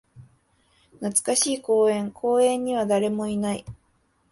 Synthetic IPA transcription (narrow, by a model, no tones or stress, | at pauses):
nat͡sɨ̥kaɕiːko̞ːẽ̞ŋkʰo̞ːẽ̞ɲ̟ːiβ̞ad̪aɾe̞mo̞inaḭ